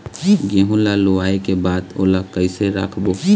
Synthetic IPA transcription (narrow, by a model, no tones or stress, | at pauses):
ɡeːɦõlaloaːekebaːd̪o̰ːlakəɪseɾa̰ːkʰboː